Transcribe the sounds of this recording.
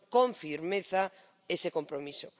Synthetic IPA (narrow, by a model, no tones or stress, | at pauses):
kõɱfiɾmeθa | esekompɾomiso